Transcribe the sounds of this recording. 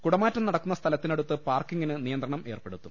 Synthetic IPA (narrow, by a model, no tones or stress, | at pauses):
kuɽɐmaːtːɐmnɐɽɐkːunːɐst̪ʰɐlɐt̪ːinɐɽut̪ːɨpaːrkiŋːinɨnijɐnd̪rɐɳɐme̞ːrpe̞ɽut̪ːum